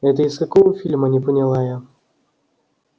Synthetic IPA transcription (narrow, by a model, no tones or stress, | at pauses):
ɛt̪̬əɪskɐkovəfʲilʲmənʲɪpənʲɪlˠaja